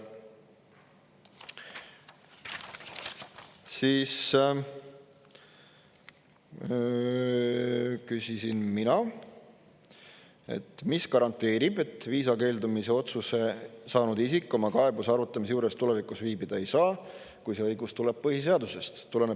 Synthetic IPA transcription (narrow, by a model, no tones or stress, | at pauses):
siːs | kysisinminɑ | e̞̰t̪ːmiskɑɾɑnt̪ˑe̞ːɾib̥e̞t̪ːˑviːsɑke̞ːld̪umise̞o̞t̪suse̞sɑːnud̪̥isikˑːo̞mɑkɑe̞busɑɾut̪ˑːɑmisjuːɾe̞st̪ːule̞vikˑusviːbid̪̥ɑe̞jsɑː | kujse̞ɤjɡust̪ule̞b̥̚pɤhis̬e̞ɑd̪use̞st̪ːulene